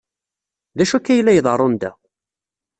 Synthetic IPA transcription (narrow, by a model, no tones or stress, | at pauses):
ðæʃukːæjlːæjəðˤərˤːond̪æ̰